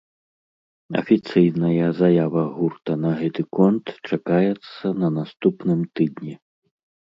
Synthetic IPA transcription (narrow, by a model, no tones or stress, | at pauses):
ɐ̰fʲit̪sɨjnɐjɐzajavɐɣurt̪ɐnɐɣɛt̪ɨkɔnt̪t͡ʂakajɛt̪sːɐnɐnast̪upnɨmt̪ɨd̪nʲi